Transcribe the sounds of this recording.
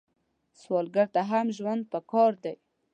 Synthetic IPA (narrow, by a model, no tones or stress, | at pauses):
swɑlɡaɾt̪aɦamʒwand̪̚pəkɑɾd̪aj